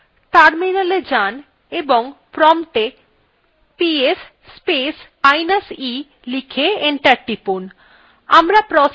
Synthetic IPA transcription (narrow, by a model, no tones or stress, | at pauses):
ʈaɾminaled͡ʑan | eboŋpɾɔmʈ̪e | pies | spes | ajnasi | likʰeeɳʈaɾʈipun | amɾapɾɔ